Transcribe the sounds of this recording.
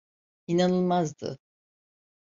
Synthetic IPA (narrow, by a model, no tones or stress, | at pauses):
inanɯlˠmazd̪ɯ̰